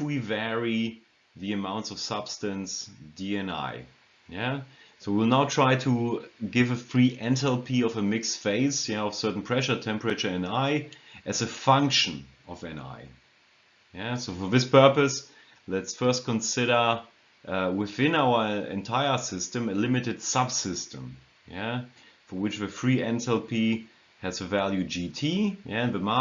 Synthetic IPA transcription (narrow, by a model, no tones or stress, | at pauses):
wivɛɹi | ðiɨmãʊ̃ntsʌv̥sʌb̥stɨ̃nsd̥iɛ̃na̰ɪ | jæsoʊwilˠnaʊtʰɹ̥aɪtʰəɡɪvəθɹiʔɛ̃ntʰɛlˠpʰiʌvəmɪksfeɪsjæɔv̥sɜ˞ʔn̩pʰɹ̥ɛʃə˞tʰɛ̃mpɹɨt͡ʃə˞ɛ̃naɪʔɨzɨfʌ̃ŋkʃɨ̃n | ɔvɛ̃na̰ɪ | jæsoʊfə˞ðɪspʰɜ˞pɨs | lɛtsfɜ˞st̚kʰə̃nsɪɾə˞ | ʔwɪθɪ̃naʊə˞ɛ̰̃ntʰaɪə˞sɪstɨ̃mɨlɪmɨtɨd̥sʌb̥sɪstə̰̃m | jæ | fə˞wɨt͡ʃðɨfɹiɛ̃ntɛlˠpʰi | hɨzɨvælˠjʉd͡ʒitʰijæɨ̃nðəma